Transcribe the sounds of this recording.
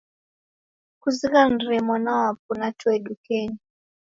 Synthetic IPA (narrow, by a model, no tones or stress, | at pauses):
kuziɣanɾɛmwanawap̚unatwɛɗukɛni